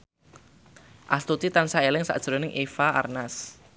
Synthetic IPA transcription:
ʔast̪ut̪it̪ansaelɪŋsa̰ʔd̥ʒ̥ɾɔnɪŋʔefaa̰rnas

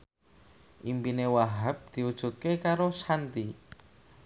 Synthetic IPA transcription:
ʔimpinewaɦap̚d̪̥i̤ud̥ʒ̥ṳt̪̚kekaɾosant̪i

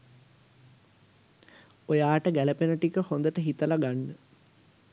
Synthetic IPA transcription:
ojaːʈəɡæləpenəʈikəhond̪əʈəɦit̪əlaɡanːə

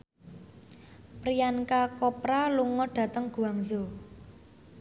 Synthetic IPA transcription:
pɾijankakɔpɾaluŋɔɖ̥ä̤t̪əŋɡ̥ṳaŋzo

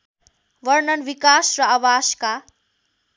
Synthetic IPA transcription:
ʋʌɾnʌnʋikasrʌawaska

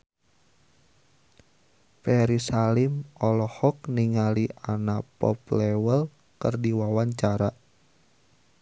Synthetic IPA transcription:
pɛɾisalimɔlɔhɔk̚niŋalianapɔ̰plɛwəl | kərdiwawaɲt͡ʃaɾa

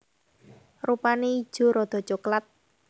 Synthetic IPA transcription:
rupanei̥ʒ̥o̤ɾɔd̪̥ɔ̤t͡ʃoklat̪̚

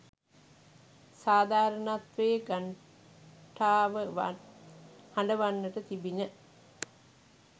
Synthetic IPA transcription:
saːd̪aːɾənat̪ʋejɡaɳ | ʈʰaːʋəʋ | hɐɳɖəʋanːəʈət̪ibinə

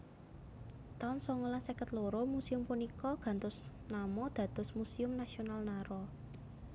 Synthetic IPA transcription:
t̪aʊnsɔŋolasekət̪loɾomusiʊmpunikɔɡ̥ä̤nt̪ʊs | namɔd̪̥ä̤d̪̥ɔ̤smusiʊmnasionalnaɾɔ

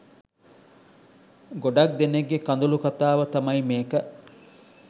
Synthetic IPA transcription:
ɡoɖɐk̚d̪eneɡːekɐnd̪ulukɐt̪aːʋət̪ɐmɐjmeːkə

